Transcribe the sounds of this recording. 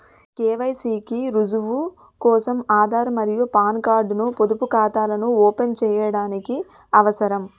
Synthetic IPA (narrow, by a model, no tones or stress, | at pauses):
keːʋɐjsiːkiɾud͡ʒuʋu | kɔːsɐmaːd̪ʱaːɾɐmɐɾijupaːnkaːɾɖnupod̪upukaːt̪aːlɐnuɔːpent͡ʃɛːjɐɽaːniki | ɐʋɐsɐɾɐm